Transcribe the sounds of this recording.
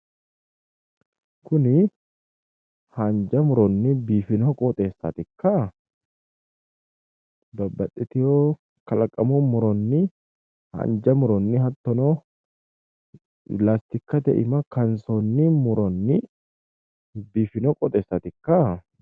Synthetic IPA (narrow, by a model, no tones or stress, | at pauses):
kʊnɪ | hand͡ʒɐmʊɾɔnːɪbiːfɪnoːkʼɔt̪ʼe̞ːsːɐt̪ɪkːa | bɐbːɐt̪ʼːɛt̪ɪjoː | kɐlɐkʼːɐmɔmʊɾɔnːɪ | ha̰nd͡ʒɐmʊɾɔnːɪɦɐt̪ːɔno | laːst̪ɪkːɐt̪ɛ̰ʔɪ̰mɐkɐnsoːnːimʊɾɔnːɪ | biːfɪnoːkʼɔt̪ʼeːsːɐt̪ɪkːa